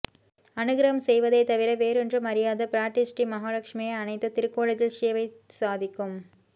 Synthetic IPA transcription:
ɐnɯɣɪɾɐɦɐmsɛjʋɐðɐɪt̪ɐʋɪɾɐʋeːɾɛndrɯmɐɾɪjaːðɐpɪɾaːʈːɪsʈimɐɦaːlɐkʂmɐjɐɐnɐɪt̪ːɐt̪ɪɾɯkːoːɭed͡ʒɪlʂɪjɐʋɐɪsaːðɪkːɯm

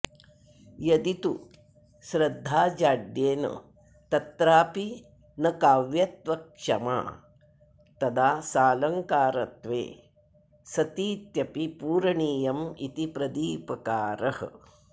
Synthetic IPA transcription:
jɐd̪it̪u | ʃɾɐd̪ʱːaːd͡ʒaːɖjeːnɐ̰ | t̪ɐt̪ɾaːpi | nɐkaːʋjɐt̪ʋɐkʂɐ̰ma̰ː | t̪ɐd̪aːsaːlɐŋkaːɾɐt̪ʋḛː | sɐt̪iːt̪jɐpipuːɾɐɳiːjɐmit̪ipɾɐd̪iːpɐkaːɾɐhɐ̰̆

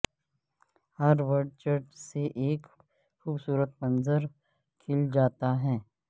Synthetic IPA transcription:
hɐɾʋəɾɖ̚t͡ʃəɾʈseʔeːk | xuːbsuːɾət̪mɐ̃nzəɾ | kʰɪld͡ʒaːt̪aɦɛː

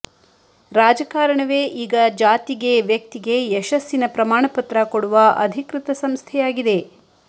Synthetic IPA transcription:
ɾaːd͡ʒɐkaːɾɐɳɐʋe̞ːʔiːɡɐd͡ʒaːt̪iɡe̞ʋjɐk̚t̪iɡe̞ɛʃɐsjinɐpɾɐmaːɳɐpɐt̪ɾɐkoɽuʋɐʔɐ̰d̪ʱikɾɨt̪ɐsɐmst̪ʰɛjaːɡid̪e̞

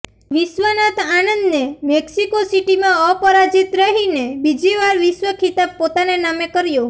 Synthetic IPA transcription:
ʋiʃwənat̪anənd̪nemɛksikosiʈimãəpəɾad͡ʒit̪ɾəɦinebid͡ʒiʋaɾʋiʃwəkʰit̪ab̚pot̪anenamekəɾjo

